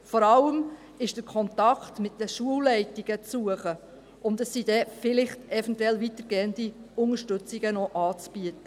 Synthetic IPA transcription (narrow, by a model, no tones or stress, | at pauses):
fɔɾɑləm | ɪʃd̥əɾkʰɔntɑktmɪt̚dəʃuəwːɛɪtiɡ̥ət͡sːuəχə | ʊndəsːid̥ɛfɪlɪχtɛfɛntwɛlʋitəɾɡ̥eːəndiʊŋəɾʃtɵt͡siɡənɔʔɑːt͡sb̥yətə